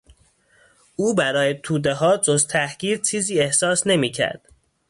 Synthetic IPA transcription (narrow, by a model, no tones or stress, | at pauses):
uːbæɾɒːjet̪ʰuːd̪eɦɒːd͡ʒozt̪ʰæhɡiːd̪̥̚t͡ʃʰiːziːe̞hsɒːsne̞miːcʰæ̰ɾd̪̥